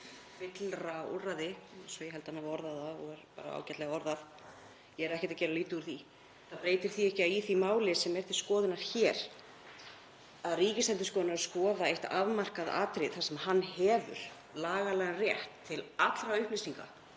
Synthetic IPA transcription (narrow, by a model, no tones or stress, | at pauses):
fɪt̪lɾaṵrːaðɪsɔjɛhɦɛlt̪anːavaɔɾðaðaɔɣɛɾpa̰ːɾa̰a̰ːwcɛt̪lɛɣaɔɾðað | jɛɛɾɛhcɪt̪acɛːɾaliːt̪ʏuɾ̥θi | θapɾeːjt̪ɪɾ̥θiɛhcɪaiθimaːwlɪsːɛmɛɾ̥t̪ʰɪ̥skɔːðɪnaɾ̥çɛːɾ | aðriːcɪsɛnt̪ɪ̥skɔːðɪnaɾaskɔːðaeht̪a̰vmar̥kaða̰ːt̪ɾɪðθasɛmhanːhɛːvʏ̰ɾ̥ | laːɣalɛːɣanrjɛht̪ʰːɪlat̪l̥ɾaʏhplɪsniŋka̰